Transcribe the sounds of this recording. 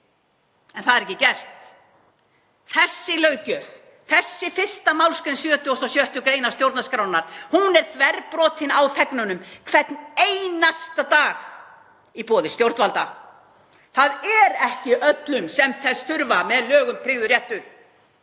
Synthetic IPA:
ɛnθaðɛɾɛcːɪcɛr̥t̪ | θɛsːɪlœːɥcœv | θɛsːɪfɪr̥st̪amawlskɛnsjʏːt̪ʰːɔst̪ɔsjœht̪ʏkɾeːjnast̪jowɾt̪naskɾawnaɾ̥hunɛɾ̥θvɛɾpɾɔːt̪ɪnawθɛknʏnʏmkʰvɛt̪nejnast̪at̪aːx | ipɔːðɪst̪jowɾt̪alt̪a | θaðɛɾɛhcɪʔœt̪lʏmsɛmθɛsθʏɾvamɛðlœːɣʏmk̪ʰɾɪːɣðʏɾrjɛht̪ʏɾ̥

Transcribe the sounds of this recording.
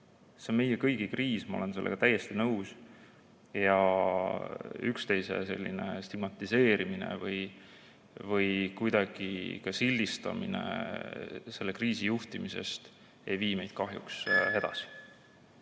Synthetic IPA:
senme̞jekɤjɡ̥ikriːsmɑole̞nse̞lːeɡ̥ɑt̪æjːest̪inɤws | jɑ | ykst̪e̞jse̞̰se̞̰lʲːḭne̞̰st̪iɡ̥mɑt̪ːˑise̞ːɾiminḛvɤj | vɤjkujd̪̥ɑɡ̥ikɑsilʲːist̪ɑ̰mḭne̞̰ | se̞lːe̞kriːsijuht̪imise̞̰st̪ | e̞jviːme̞jd̪̥̚kɑɦjṵkshed̪̥ɑ̰si̥

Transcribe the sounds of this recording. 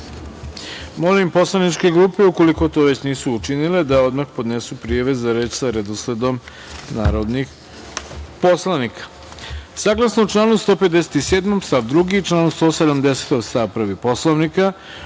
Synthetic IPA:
mo̞limpo̞slˠanit͡ʃke̞ɡɾuːpeuko̞liko̞t̪o̞ʋe̞t͡ɕniːsuːt͡ʃiniled̪ao̞d̪maxpo̞d̪nesupɾijaʋe̞zaɾe̞ːt͡ɕsaɾed̪osled̪o̞m | na̰ːɾo̞d̪nix | po̞slˠanikʰḁ | saɡlˠasnout͡ʃlˠaːnust̪o̞ːped̪ese̥t̪iseːd̪mo̞mst̪aʋd̪ɾuɡit͡ʃlˠaːnust̪o̞ːsed̪amd̪ese̥t̪ost̪aʋprɾ̩ʋipo̞slˠoʋnika

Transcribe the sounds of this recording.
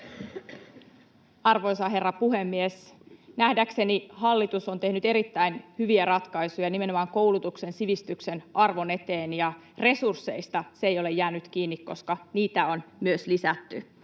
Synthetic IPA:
ɑrʋo̞jsɑɦe̞rːɑpuɦe̞mːiesnæhdækse̞nihɑlːit̪uso̞nt̪e̞hnyt̪e̞ɾit̪ːæjnhyʋiæɾɑt̪kɑjsujɑnime̞no̞mɑŋko̞wlut̪ukse̞nsiʋist̪ykse̞nʔɑrʋo̞ne̞t̪eːnjɑ | re̞sursːe̞̰ist̪ɑseejo̞le̞jæːnyt̪k̟iːnːikko̞skɑniːt̪æo̞nmyøslisæt̪ːy

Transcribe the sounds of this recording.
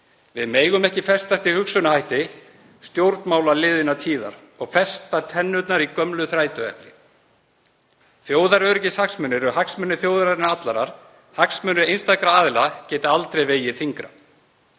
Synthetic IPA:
vɪðmeːjɣʏmɛhcɪfɛst̪ast̪ihʏksʏnahajht̪ɪ | st̪jowɾt̪nmaːwlalɪːðɪnat̪ʰiːða̰ɾ̥ | ɔɣfɛst̪at̪ʰɛnːʏt̪naɾikœmlʏθɾaːjt̪ʏɛ̰hplɪ | θjoːwðaɾœɾcɪshaksmʏnːɪɾɔɦaksmʏnːɪθjoːwðaɾaɾɪnat̪lanaɾ̥ | haksmʏnʏejnst̪akɾaaːðɪlacɛːt̪aalt̪ɾejveːjɪθiŋkɾa

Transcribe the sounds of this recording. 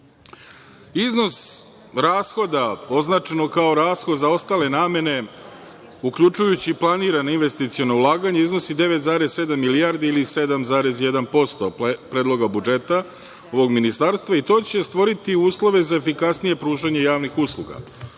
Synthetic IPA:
izno̞s | ɾaːsxo̞d̪ao̞znat͡ʃenokaoɾaːsxod̪zao̞st̪aːle̞naːme̞ne̞ | ukʎut͡ʃujut͡ɕiplˠaniːɾanoinʋe̞st̪it̪sio̞no̞ulˠaːɡaɲeizno̞sid̪e̞ʋe̞t̪zaːɾe̞sse̞d̪amːilijaːɾd̪iilise̞d̪amzaːɾe̞zje̞d̪anpo̞st̪o̰pɾeːd̪lˠo̞ɡabud͡ʒe̞t̪a | o̞ʋo̞ɡminist̪aːɾst̪vʋait̪o̞ːt͡ɕe̞st̪ʋo̞ɾit̪iuːslˠo̞ʋe̞zaefikasnije̞pɾuːʒaɲe̞jaːʋnixuslˠṵɡa̰

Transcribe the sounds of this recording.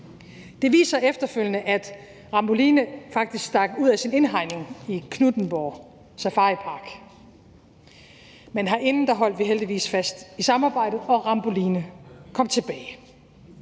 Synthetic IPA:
d̥e̝ʋḭːsɐefd̥ɐføl̰jənəʔæd̥ | ʁɑ̈mb̥o̝liːnəfɑ̈ɡ̥̚d̥isɡ̥sd̥ɑ̈ɡ̥əuð̰ˠæsine̝nɦɑ̈ɪ̰ne̝ŋikʰnud̥n̩b̥ɒː | sæfɑ̈ːipʰɑ̈ːɡ̥ | menɦɑ̈ʔe̝nn̩d̥ɑ̈ɦɒ̽l̰d̥ʋiɦeld̥iʋḭːsfæsd̥isɑ̈mɑ̈ːb̥ɑ̈ɪ̰d̥ð̩ˠɒ̽ʁɑ̈mb̥o̝liːnəkʰɒ̽m̰t͡sʰe̝b̥ɛːɪ

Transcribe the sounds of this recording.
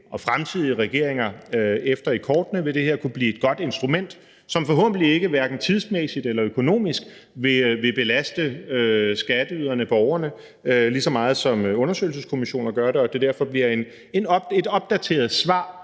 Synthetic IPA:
ʔɒ̽fʁamt͡sʰið̰ˠiəʁɛɡ̥e̝̰ɐ̰eŋɐefd̥ɐikʰɒːd̥nəʋe̝d̥e̝heɐ̰kʰub̥lḭːe̝d̥̚ɡ̥ɒ̽d̥e̝nsd̥ʁumen̰d̥ | sɒ̽mfɒ̽ɦɔ̽ːbəlie̝ɡ̥əʋæɐɡ̥n̩t͡sʰið̞ˠsmesid̥elɐøkʰo̝no̝̰ːmisɡ̥ | ʋe̝ʋe̝b̥e̝læsd̥əøsɡ̥æd̥əyð̰ˠɐnəb̥ɒʊɐnə | lisɒ̽mɑ̈ːð̞̩ˠsɒ̽mɔ̽nɐsø̰ɪl̩s̬əskʰo̝miɕo̝̰ːnɐɡ̥ɶɐɾe̝ɒ̽d̥e̝d̥æɐfɒ̽b̥liɐe̝n | e̝nɒb̥e̝dɒ̽b̥̚d̥æt͡sʰe̝̰ːɐð̞̩ˠsʋɑ̰̈ː

